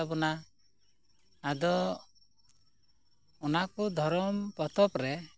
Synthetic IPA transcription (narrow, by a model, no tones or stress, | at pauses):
abɔna | d̪ɔ | ɔnakud̪ʱɔɾɔmpɔt̪ɔpɾɛ